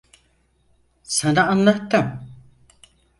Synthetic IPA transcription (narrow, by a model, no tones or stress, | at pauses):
sanaːnlˠat̪ːɯm